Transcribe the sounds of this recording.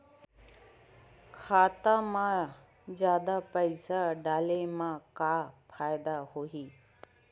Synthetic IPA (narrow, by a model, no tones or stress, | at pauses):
kʰaːt̪amã | zjaːd̪apəɪsaɖaːlemãkaːpʰaːɪd̪ahoiː